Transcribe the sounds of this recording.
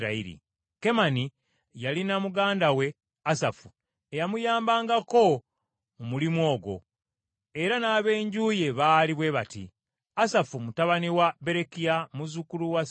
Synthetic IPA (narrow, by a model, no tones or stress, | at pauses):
ɾaḭɾḭ | ke̞mani | jalinamuɡaːndawe̞ | asafu | ejamujaːmbaːŋɡako̞ | umulimwo̞ːɡo̞̰ | e̞ɾanaːβe̞ːɲɟuːje̞βaːliβwe̞βatḭ | asafumutaβaniwabe̞ɾe̞kijamuzukuluwa